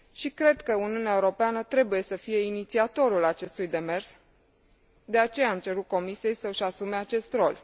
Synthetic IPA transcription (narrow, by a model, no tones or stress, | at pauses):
ʃikɾe̞d̪kəuniuneaeuɾo̞peanət̪ɾe̞buje̞səfije̞init̪siat̪o̞ɾulat͡ʃe̞st̪ujd̪e̞me̞rs | d̪e̞at͡ʃe̞jaːmt͡ʃe̞ɾut̪̚ko̞misije̞jsəɨʃasume̞at͡ʃe̞st̪ɾo̞lʲ